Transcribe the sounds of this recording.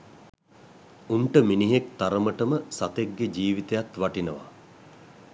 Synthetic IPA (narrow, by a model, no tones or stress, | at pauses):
uɳʈəminiɦek̚t̪aɾəməʈəməsat̪ek̚ɡed͡ʒiːʋit̪ejat̪ʋaʈinəʋa̰